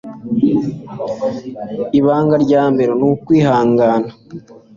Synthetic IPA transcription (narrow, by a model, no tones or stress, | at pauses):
iβaːŋɡaɾɟaːmbe̞ɾonukwiːhaːŋɡaːna